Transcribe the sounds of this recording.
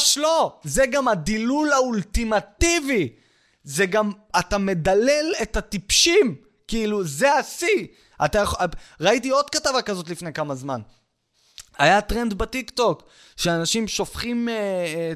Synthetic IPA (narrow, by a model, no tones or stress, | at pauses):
ʃloze̞ɡamadilulault̪imat̪ivi | zeɡam | at̪ame̞dale̞let̪at̪ipʃim | kiiluzeasi | at̪ajaχʁait̬io̞d̪katavakazo̞t̪̬lifnekamazman | ajatʁendbat̪ikt̪o̞k | ʃeanaʃimʃo̞fχime